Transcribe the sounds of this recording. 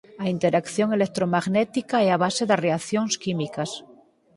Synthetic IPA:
aint̪eɾakθjoŋelek̚t̪ɾomaɣnet̪ikaeaβ̞aseðareaθjoŋskimikas

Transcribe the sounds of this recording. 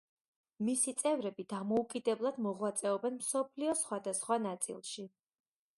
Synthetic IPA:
misit̪sʼɛvɾɛbid̪amɔukʼid̪ɛblˠad̪mɔʁwat̪sʼɛɔbɛnmsɔpʰliɔsχwad̪asχwanat̪sʼḭlˠʃi

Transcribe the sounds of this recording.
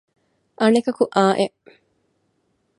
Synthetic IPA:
ʔɐnekɐkuʔaːʔeʔ

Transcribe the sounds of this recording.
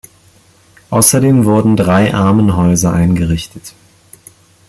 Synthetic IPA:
ʔaʊsɐdeːmvʊɐdn̩dʁaɪʔaɐmənɦɔʏzɐʔaɪnɡəʁɪçtʰət

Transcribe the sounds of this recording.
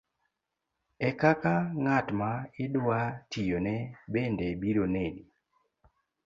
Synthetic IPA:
ɛkakaŋatmaɪdwatijonɛbendɛbiɾoneni

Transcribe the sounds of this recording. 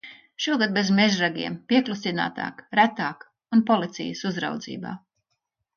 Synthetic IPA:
ʃuɔɡad̪̚bezmeʒɾaɡʲiɛmpiɛklˠusʲina̰ːt̪a̰ːkɾæt̪aːk | unpɔlˠit̪sḭjəsuzɾa̰wd̪zḭːba̰ː

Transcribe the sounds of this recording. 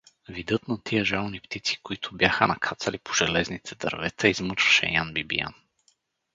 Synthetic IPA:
vid̪ɤt̪nɐt̪ʰiəʒalˠnipt̪it̪si̥koit̪ʰʊbjaxənɐkʰat̪sɐlipoʒɛlɛznit̪ʰɛd̪ɐ̰ɾvɛt̪ɐizmɤt͡ʃvɐ̥ʃɛ̰janbibḭja̰n

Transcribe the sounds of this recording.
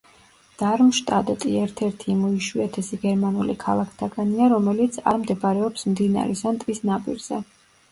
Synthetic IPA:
d̪̥aɾmʃt̪ʼad̪ɛt̪ʼiɛɾt̪ʰɛɾt̪ʰimɔiʃwiɛt̪ʰɛsiɡɛɾmanulikʰa̰lˠakʰt̪ʰaɡaniaɾɔmɛlit̪sʰa̰ɾmd̪ɛbaɾɛɔpsmd̪ina̰ɾisant̪ʼisnapʼḭɾz̥ɛ

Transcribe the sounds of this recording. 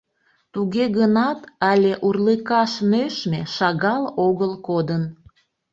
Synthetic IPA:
t̪uɣeɣənɑt̪ɑlʲeʔurləkɑʃnøʃmeʃɑɣɑloɣəlkod̪ən

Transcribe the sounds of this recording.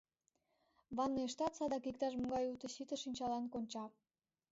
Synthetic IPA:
βɑnːeʃt̪ɑt̪sɑd̪ɑkikt̪ɑʃmuɡɑjut̪ə̆ɕit̪ə̆ʃinʲt͡ɕɑlɑnkonʲt͡ɕɑ

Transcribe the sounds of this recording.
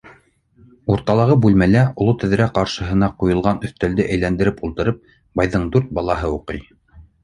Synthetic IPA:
uɾt̪ɑlˠɑʁɤbʉlmælæʔŏlˠot̪ɘ̆ðɘ̆ɾæqɑɾʃɤ̆ɦɤ̆nɑqujɤ̆lˠʁɑnɵ̆θt̪æld̪ɘʔæjlænd̪ɘ̆ɾɘpulˠt̪ɤ̆ɾɤp̚ | bɑjðɤɴd̪ʉɾt̪̚bɑlˠɑɦɤuqɤj

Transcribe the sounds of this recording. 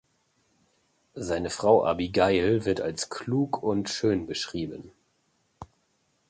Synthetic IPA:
zaɪnəfʁ̥aʊʔa̰biɡaɪlvɪɐtalskʰl̥uːkʰʊntʃøːnbəʃʁ̥iːbən

